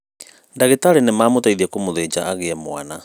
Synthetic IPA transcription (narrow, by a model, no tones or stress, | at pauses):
ndaɣetaɾenemaːmotaiðiɛkomoðed͡ʒaaɣeɛmwa̰na